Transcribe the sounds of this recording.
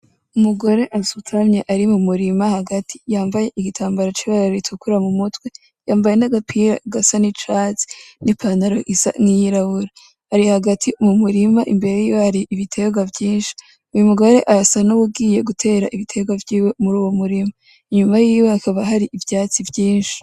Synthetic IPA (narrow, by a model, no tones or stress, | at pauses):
umuɡo̞ɾe̞ʔasutʰamɲe̞ʔaɾimumuɾimahaɡatʰi̥jaːmbaje̞ʔiɡitʰaːmbaɾat͡ʃiβaɾaitukuɾamumutwe̞ | jaːmbaje̞naɡapʰiɾaɡasanit͡ʃaːzi̥nipʰanaɾo̞ʔisa̰ŋijiɾaβuɾa | haɾihaɡatʰiumumuɾimaʔimbe̞ɾe̞jiːjohaɾiʔːβitʰe̞ɡwavjiːnʃi̥ | ujumuɡo̞ɾe̞ʔasanuβubɡiːje̞ɡutʰe̞ːɾaʔiβitʰe̞ɡwavjiːwe̞muɾuːwo̞muɾima | iɲumajiːweakʰaβaɦaɾiʔivjaːt͡sivjiːnʃi̥